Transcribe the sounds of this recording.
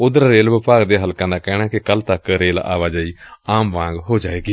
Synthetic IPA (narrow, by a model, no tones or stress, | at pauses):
ʊd̪ɾaɾeːlʋɪpaːɡd̪eːɦəlkãːd̪aːkɛːɽ̃ãːkɪkəlt̪əkɾeːla̰ːʋaːd͡ʒaːiːaːmʋãːŋɡɦoːd͡ʒaːʋeːɡiː